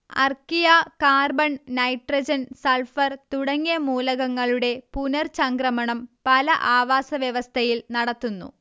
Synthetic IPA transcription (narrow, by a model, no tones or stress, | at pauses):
ɐ̰rkijakaːrbɐɳnɐjʈrɐd͡ʑɐnsɐlfɐrt̪uɽɐŋːijɐmuːlɐɣɐŋːɐɭuɽe̞punɐrsɐŋkrɐmɐɳɐmpɐlɐʔaːʋaːsɐʋjɐʋɐst̪ʰɐjilnɐɽɐt̪ːunːṵ